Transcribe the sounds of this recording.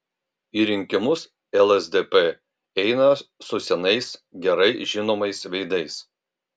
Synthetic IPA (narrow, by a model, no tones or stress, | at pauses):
iːɾʲɪŋʲkʲɪmʊs | ɛlˠɛzd̪ʲepe | ɛɪnɐsʊsʲɛnɐɪsɡʲɛɾɐɪʒʲɪnoːmɐɪsʋʲɛɪd̪ɐɪs